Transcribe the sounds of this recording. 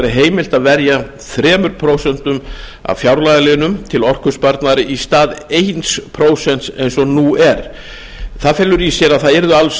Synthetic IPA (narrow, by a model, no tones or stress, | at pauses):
ɾɪɦeːjmɪl̥t̪aðvɛɾja | θɾɛːmʏɾpʰɾowsɛnt̪ʏma̰fjawɾlajðalɪnʏmt̪ʰɪlɔr̥kʏspaɾt̪naðɾɪʔist̪aːðejnspʰɾoːwsɛn̥t̪sḛjnsɔnuːɛɾ̥ | θaðfɛlːʏɾisjɛɾaðθaðɛɾðʏals